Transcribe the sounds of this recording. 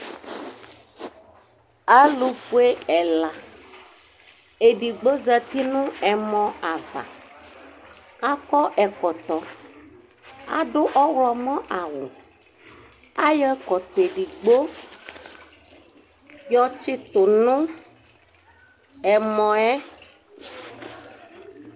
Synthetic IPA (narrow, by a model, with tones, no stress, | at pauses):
a˦lu˨fu˦e˦ɛ˨la˨ | e˨ɖi˨ɡ͡bo˦za˦t̪i˦nũ˦ɛ˨mɔ̃˦a˨va̰˨ | a˦kɔ˦ʔɛ˨kɔ˨t̪ɔ˨ | a̰˦ɖʊ˦ʔɔ˦wɔ˨mɔ̃˦ʔa˨wu˨ | a˦jɛ˦kɔ˨t̪e˨ɖi˨ɡ͡bo˦ | jɔ˦t͡ʃɪ˦t̪ʊ˨nũ˦ | ɛ˨mɔ̃˨ɛ˦